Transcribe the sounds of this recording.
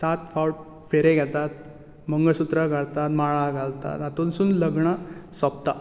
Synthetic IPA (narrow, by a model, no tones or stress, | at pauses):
sat̪fawʈ̚ | feɾeɡʱɛt̪at̪̚ | məŋɡəɭsut̪ɾəɡʱaɭt̪at̪maɭaɡʱaɭt̪a̰t̪at̪onsuːnləɡɳəsɔp̚t̪a